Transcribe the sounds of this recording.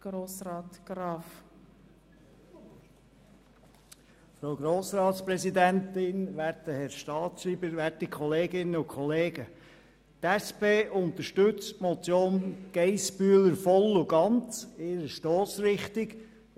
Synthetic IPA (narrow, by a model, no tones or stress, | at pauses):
ɡ̥ɾoːsɾɑːt̪ɡ̥ɾɑːf | fɾoʊɡɾoːsɾɑːtspɾɛzid̪æntɪnʋæːɾtdəhɛɾʃtɑːtʃɾiːbəɾʋætikʰɔleːɡɪnːəʊkχɔleːɡə | tæspeːʔʊnt̪əʃtʏt͡stmɔt͡sjoːnɡ̥ɛɪspyələɾfɔlːʊɡ̥ɑnt͡sɪɾəʃtoːsɾɪχt̪iɡ